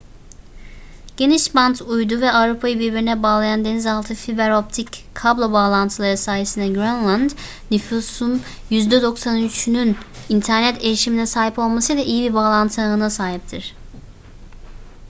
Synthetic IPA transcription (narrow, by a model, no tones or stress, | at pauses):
ɟ̥e̞niʃbant̪ʰujd̪uvɛavɾupʰajɯbiɾbiɾinɛbaːlˠajand̪e̞nizalˠt̪ʰɯfibɛɾo̞p̚t̪ʰickʰːablˠobaːlˠant̪ʰɯlˠaɾɯsaːjesɯnd̪ɛɡɾanlˠand̪ | nyfuːsun | jyzd̪ɛd̪o̞ksanyt͡ʃʰynynint̪ʰæɾnɛt̪e̞jiʃiminɛsaːɦipo̞lˠmasɯjlʲaʔijibiɾbaːlˠant̪ʰɯnasaːɦip̚t̪ʰiɾ̝̥